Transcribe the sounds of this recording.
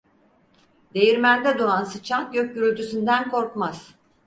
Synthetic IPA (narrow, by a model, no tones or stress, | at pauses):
d̪e̞jiɾmænd̪ɛd̪uɾansɯt͡ʃʰanɟøc̚ɟyɾylʲt̪ysynd̪ænkʰo̞ɾkmaz̥